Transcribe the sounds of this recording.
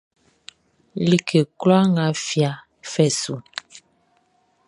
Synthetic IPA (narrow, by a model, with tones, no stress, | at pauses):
li˨kʰe˨klwa˦ŋɡa˦fja˨ | fɛ˦˨su˨